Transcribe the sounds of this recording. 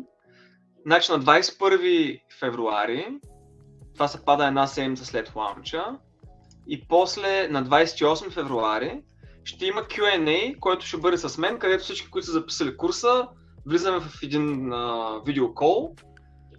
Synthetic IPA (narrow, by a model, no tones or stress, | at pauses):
nat͡ʃinɐd̪vajsɛt̪pɤɾvi | fɛvɾua̰ɾi | t̪ovasɛpad̪əɛd̪nasɛd̪mʲit̪səslɛt̪xlˠa̰mt͡ʃə | ipɔslɛnɐd̪vajsɛ̥t̪iɔsmifɛvɾuaɾi | ʃt̪ɛiməkʰʲjuɛnɛjkɔjt̪ʊ̥ʃɛbɤd̪ɛsɐsmɛnkɐd̪ɛt̪o̥fsit͡ʃkʲi̥kʊit̪ʊsəzɐpi̥səlikuɾsə | vlizəmɛvɐfɛd̪inəvid̪ɛokɔlˠ